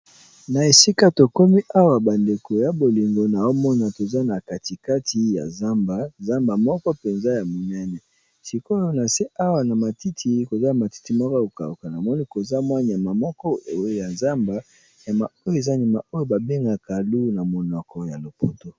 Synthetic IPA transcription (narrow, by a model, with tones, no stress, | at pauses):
na˨e˨si˦ka˦to˨ko˦mi˦ʔa˦wa˨ba˨nde˨ko˨ja˨bo˨li˨ŋɡo˨na˨jo˦mɔ˦na˨to˨za˦na˨ka˨ti˨ka˦tʰi˨ja̰˨za˦mba˨za˦mba˨mɔ˦kɔ˦pe˨nza˦ja˨mo˨nɛ˦nɛ˨ | si˨ko˦jo˦na˨se˦ʔa˦wa˨na˨ma˨ti˦tʰi˨ko˨za˦˨ma˨ti̥˦ti˨mɔ˦ka˦o˨ka̰˨u˨ka˨na˨mɔ˦ni˦ko˨za˦mwa˦ɲ˨a˨ma˨mɔ˦kɔ˦˨˦ja˨za˦mba˦ | ja˨ma˨o˦jo˦e˨za˦ni˨ma˨ʔo˦jo˦ba˨be˦ŋɡa˨ka˨lu˦na˨mo˨nɔ˨kʰɔ˨ja˨lo˨po˨to˦